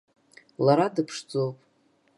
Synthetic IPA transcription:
laɾadɨpʰʂd͡zowpʼ

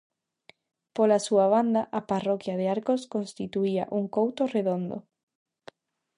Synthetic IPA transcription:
polasuaβ̞and̪aʔaparɔkjaðeaɾkoskonst̪it̪uia̰ʔuŋkowt̪oreðond̪o̰

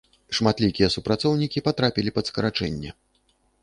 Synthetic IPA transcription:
ʂmat̪lʲikʲijɛsupɾat̪sɔwnʲikʲipat̪ɾapʲilʲipɐd̪skɐɾat͡ʂɛ̰nʲːɐ̰

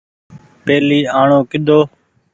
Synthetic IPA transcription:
peːliːaːɳõːkɪɗ̪ʱoː

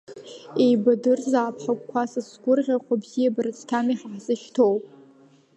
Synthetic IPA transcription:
ejbadɨrzaːpʰħakʷʼkʷʰasasɡʷʊrʁʲaχʷabzijabarɨt͡sʰtʰamiħaħzɨʃtʰowpʼ

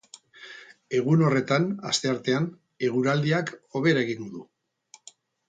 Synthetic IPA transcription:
e̞ɣ̞uno̞re̞t̪ana̰st̪e̞aɾt̪e̞an | e̞ɣuɾald̪iako̞βe̞ɾaeɣiŋɡuðu

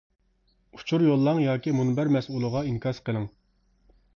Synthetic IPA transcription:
u̥t͡ʃʰuɾjolˠːɑŋjɑːkʲimunbæɾmɛsulˠəʁɑiŋkʰɑsqəlˠɨŋ

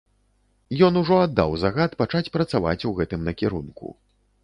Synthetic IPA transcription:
jɔnuʐɔad̪ːa̰wzaɣat̪pat͡ʂat͡sʲpɾɐt̪sava̰t͡sʲuɣɛt̪ɨmnɐkʲɛɾunkṵ

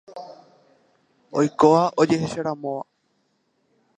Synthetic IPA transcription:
o̞jkoaʔod͡ʒe̞heʃaɾamõʋa̰

